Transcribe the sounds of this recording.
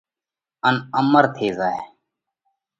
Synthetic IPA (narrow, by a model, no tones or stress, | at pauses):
ənəməɾt̪ʰeːzaːḛː